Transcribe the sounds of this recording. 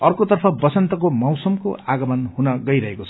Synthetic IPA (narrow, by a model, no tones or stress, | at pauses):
ʌrkot̪ʌrpʰʌbʌt͡sʌnt̪ʌk̬omʌwsʌmko̰aɡʌmʌnhunʌɡʌijɾʌɦekot͡sʰʌ̥